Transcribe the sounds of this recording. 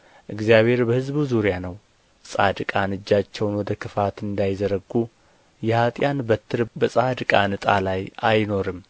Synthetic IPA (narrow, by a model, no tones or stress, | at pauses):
ʔɨɡzjaβhe̞ɾbəhɨzbuzuɾjanəw | sʼa̰d̪ɨkʼanɨd͡ʒːat͡ʃːɛwnwɔd̪əkʰɨfat̪ɨnd̪ajzəɾəɡu | jɛhat̪ʼjanbət̪ʰːɨɾbəsʼad̪ɨkʼanɨt̪ʼa̰lajajno̞ɾɨm